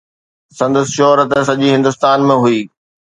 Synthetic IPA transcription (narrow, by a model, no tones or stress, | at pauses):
sɐ̃nd̪əsʃɔːɾət̪sɐʄiɦɪ̃nd̪ʊst̪aːnmẽɦuiː